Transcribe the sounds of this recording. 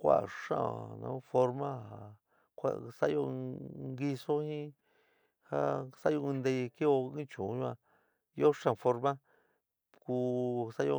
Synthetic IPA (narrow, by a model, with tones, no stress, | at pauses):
kʷa̰˦˨ʂã̰˦˧˨nã̰˧˦fo˧ɾmã˦ha˨ | kʷa̰˦˧sa˦jo˧ŋɡi˧so˦hĩ˦ | ha˦sa˦jo˧ɨ̃˧nd̪e˧ki˦o˧ĩ˦t͡ʃũ˨˧˦ɲũ˦˧ã˧ | i˦o˦ʂã˧˨˧fo˧ɾmã˦ | ku˧sa˦jo˧